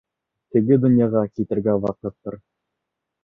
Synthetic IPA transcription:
t̪ɘ̆ɡɘd̪ɵ̆njɑʁɑkit̪ɘ̆ɾɡæwɑqɤt̪ːɤ̰ɾ

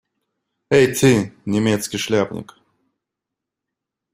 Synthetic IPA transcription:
ejt̪ʰɨnʲɪmʲet̪skʲɪʂlʲabnʲɪ̰k

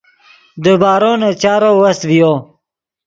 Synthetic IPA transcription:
d̪əbaːɾoːnat͡ɕaːɾowɐst̪vijoː

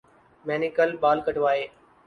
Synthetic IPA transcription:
mɛːnɪkəlɓaːlkəʈʋaːɦeː

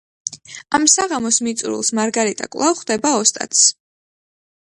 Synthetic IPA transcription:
amsaʁamɔsmit̪sʼɾṵlˠsmaɾɡaɾit̪ʼa̰kʼlˠavχd̪ɛbaɔst̪ʼa̰t̪s

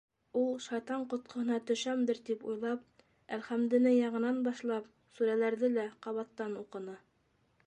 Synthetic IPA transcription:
ulˠʃɑjt̪ɑɴqŏt̪̚qŏhɤ̆nɑt̪ɵ̆ʃæmd̪ɘɾt̪ipujlˠɑp̚ | ælχæmd̪ɘ̆nɘjɑɴɤ̆nɑnbɑʃlˠɑp̚ | suɾælæɾðɘlæqɑβɑt̪ːɑnuqɤ̆nɤ

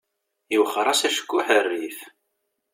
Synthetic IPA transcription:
iwχəɾˤɑsæʃə̥kːʊħərːiθ

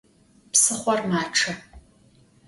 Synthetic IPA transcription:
psɨχʷɔrmaːʈ͡ʂʰɐ

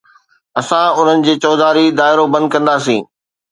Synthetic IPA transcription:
ɐsãʊn̤ənɪ̆d͡ʑeːt͡ɕɔːd̪aːɾid̪aːɪɾobɐ̃nd̪̚kɐ̃nd̪aːsĩː

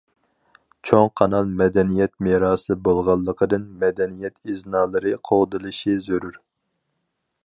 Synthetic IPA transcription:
t͡ʃʰoŋqʰɑnɑlˠmɛd̪ɛnijɛt̪̚meɾɑːsɨbolˠʁɑlˠːəqʰəd̪ɨnmɛd̪ɛnijɛt̪ʰiznɑːlˠɨɾɨqʰoʁd̪ɨlˠɨʃizøɾyɾ

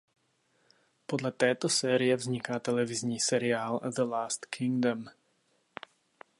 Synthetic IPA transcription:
pɔd̪lat̪ɛːt̪ɔsɛːɾiɛvzɲikat̪ɛlɛvizɲiːsɛɾiaːlðəlaːst̪kʰiŋɡd̪əm

